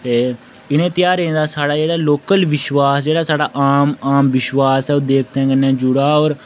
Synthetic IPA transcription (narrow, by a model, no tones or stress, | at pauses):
t̪eː | ɪɽ̃ẽːt̪ɪjaːɾẽːnd̪aːsaːɽaːd͡ʒeːɽaːloːkəlʋɪʃʋaːsd͡ʒeːɽaːsaːɽaːʔaːmaːmʋɪʃwaːsɛːod̪eːk̚ʰt̪ɛ̃ːɡənːɛ̃ːd͡ʒʊɽaːoːɾ